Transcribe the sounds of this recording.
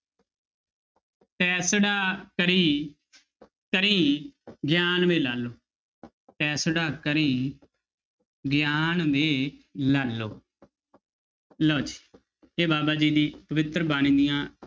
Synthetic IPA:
t̪ɛːsɽaːkəɾiː | kəɾiːɡjaːnʋeːlaːloː | t̪ɛːsɽaːkəɾiː | ɡjaːnʋeːlaːlːoː | loːt͡ʃi̥ː | eːbaːbaːd͡ʒiːd̪iːpəʋɪt̪ɾəbaːɽ̃iːd̪ijãː

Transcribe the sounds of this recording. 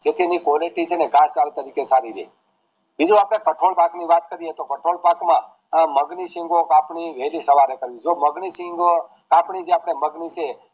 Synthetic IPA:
d͡ʒet̪ʰinikoleʈit͡ʃʰeneɡãst͡ʃalt̪əɾikesaɾiɾḛ | bid͡ʒũapɽ̃ekəʈʰolpakniʋat̪kəɾiet̪okəʈʰolpakmã | məɡnisĩŋɡokapɳiʋelisəʋaɾekəɾʋid͡ʒoməɡnisiŋɡ | kapɳid͡ʒeapɳ̃eməɡnit͡ʃʰe

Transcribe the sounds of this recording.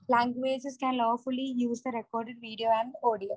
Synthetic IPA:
læ̃ŋɡʋeːd͡ʒɪskæ̃nlɔːfʊlijuːsd̪əɾɛkɔːɾɖɪɖ̚ʋiːɖioːæ̃ɳɖoːɖioː

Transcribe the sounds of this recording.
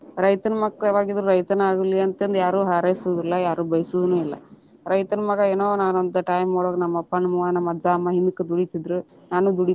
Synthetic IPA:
ɾɐjt̪ɐnɐmɐkːɾɐʋaːɡid̪ɾuɾɐjt̪ɐnaːɡulːiɐnt̪end̪jaːɾuːɦaːɾɐjsud̪ɾilːɐjaːɾuːbɐjɐsuʋd̪unuːilːɐ̰ | ɾɐjt̪ɐnɐmɐɡɐeːnoːʋnaːnond̪ɐʈaːjmːoːɽoːɡɐnɐmːɐpːɐnɐmuʋaːnɐmːɐɐd͡ʒaːɐmːɐɦind̪ukːed̪uɽisid̪ɾu | naːnud̪uɽi

